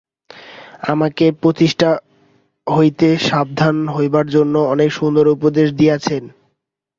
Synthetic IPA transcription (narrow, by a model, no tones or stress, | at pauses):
a̰makepɾot̪iʃʈʰa | ɦojt̪eʃab̚d̪ʱanɦojbaɾd͡ʑonːoɔnekʃund̪oɾupod̪eʃd̪ieat͡ɕʰen